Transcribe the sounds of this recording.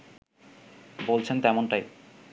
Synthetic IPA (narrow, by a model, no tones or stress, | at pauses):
bolt͡ɕʰent̪ɛmonʈaj